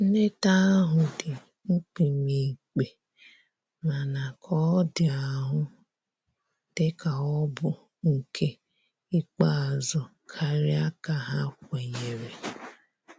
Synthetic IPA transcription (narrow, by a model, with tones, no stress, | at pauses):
ne˦ta˦ɦʊ˨dɪ˨ | ŋ͡m̩˦k͡pi˨mi˨k͡pe˨ | ma˨na˨kʰɔ˦dɪ˨a˨ɦʊ˦ | d̥ɪ˦ka˨ɔ˦bʊ˨ | ŋ̩˨kʰe˦ | i˦k͡pa˦˨zɔ˨ | kʰa˨ɾɪ˦a˦ka˨ɦa˦kʷe˨ɲe˨ɾe˨